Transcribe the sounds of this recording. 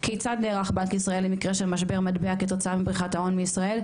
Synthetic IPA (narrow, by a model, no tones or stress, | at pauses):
kʰejt͡sadneːʁaχbankisʁae̞lːemikʁeʃelmaʃbe̞ʁmadbeaket̪o̞t͡saamibʁiχatao̞nmeisʁae̞l